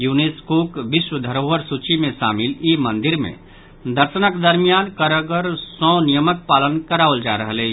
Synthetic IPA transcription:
juneskokbiswəd̪ʱəɾoːɦəɾsut͡ʃimẽʃa̰mɪlimənd̪iɾmḛ̃ | d̪əɾsənakd̪əɾmijankəɾəɡəɾsɔ̃nijəmək̚paːlənkəɾaʊld͡ʒa̰ɾəɦəle

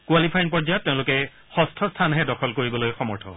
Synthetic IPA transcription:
kwalipʰajnpɔɹzajɔtːɛʊ̃lʊkɛ | xɔstʰɔstʰanɦɛdɔkʰɔlkoɹibɔlojxɔmɔɹtʰɔ̰

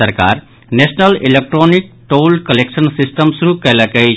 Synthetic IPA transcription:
əɾka̰ːɾ | nesnəlilek̚ʈɾoːnik̚ʈoːlkɐleksənsisʈəmsuɾukɐləkəi

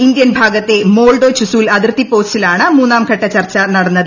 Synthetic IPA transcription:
ind̪jɐnbʱaːɡɐt̪ːe̞mo̞ːɭɖoːt͡ɕusuːlɐðirt̪ːipːo̞ːst͡ɕilaːɳɨmuːnːaːmkʰɐʈːɐt͡ɕɐrt͡ɕːɐnɐɽɐnːɐðɨ

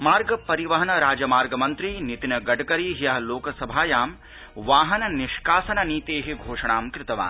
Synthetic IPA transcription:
maːɾɡɐpɐɾiʋɐɦɐnɐɾaːd͡ʒɐmaːɾɡɐmɐnt̪ɾinit̪inɐɡɐɖɐkɐɾiːɦjɐɦɐloːkɐsɐbʱaːjaːm | ʋaːɦɐnɐniʃkaːsɐnɐniːt̪eːɦiɡʱoːʂɐɳaːmkɾɪt̪ɐʋa̰ːn

